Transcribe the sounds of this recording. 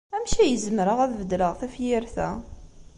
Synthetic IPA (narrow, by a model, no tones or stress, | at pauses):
æmʃijəzmɾəʁæðvəd̪ləʁθæfjiɾθæ̰